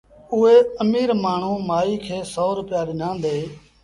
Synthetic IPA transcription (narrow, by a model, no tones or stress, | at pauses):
ʊɦeːəmiːɾmaːɳ̤ũːmaːiːkʰeːsoːɾʊpɪjaːɗɪnãːnd̪eː